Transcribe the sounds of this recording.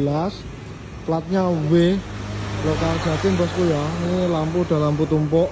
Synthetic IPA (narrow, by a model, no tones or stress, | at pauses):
las | plat̪̚ɲaweh | lokard͡ʒ̥a̤t̪embaskujanilampud̪̥a̤lamput̪umpɔʔ